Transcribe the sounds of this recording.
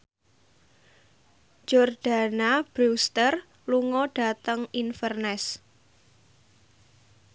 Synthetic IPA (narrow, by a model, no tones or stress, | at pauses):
d͡ʒ̥ɔrɖ̥a̤nab̥ɾust̪ər | luŋɔɖ̥a̤t̪əŋinfərnɛs